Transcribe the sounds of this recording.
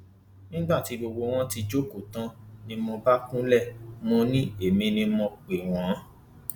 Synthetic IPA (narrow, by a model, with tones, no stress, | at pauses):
nĩ˦ɡ͡ba˦˨ti˨˧ɡ͡bo˧ɡ͡bo˧w̃ɔ̃˦ti˧d͡ʒo˦ko˦˨tã˧˦nĩ˧mɔ̃˧ba˦kũ˦lɛ˦˨mɔ̃˧nĩ˦e˦˨mĩ˧nĩ˧mɔ̃˧k͡pe˨w̃ɔ̃˨˦